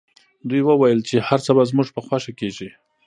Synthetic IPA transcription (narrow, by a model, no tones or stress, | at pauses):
d̪ujwəwajəlt͡ʃehaɾt͡səbazmuʒpəxwaʃakeʒi